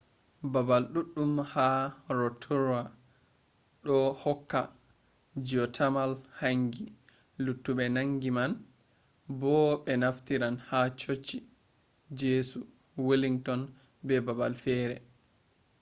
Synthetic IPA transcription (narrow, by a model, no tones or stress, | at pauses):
babalɗuɗːumhaɾɔtʰuɾa | ɗɔhɔkːa̰ | d͡ʒiɔtʰamalhaŋɡi | lutːuɓɛnaŋɡiman | bɔɓɛnaftiɾanhat͡ʃot͡ʃːi | d͡ʒeːsu | wiliŋtɔn | bɛbaba̰lfɛːɾɛ̰